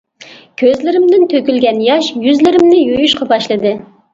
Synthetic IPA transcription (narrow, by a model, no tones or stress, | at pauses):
kʲʰøzlɪɾɪmd̪ɪnt̪ʰøkʲylɡʲɛnjɑʃjyzlɪɾɪmnɪjojuʃqʰɑbɑʃlˠɨd̪ɨ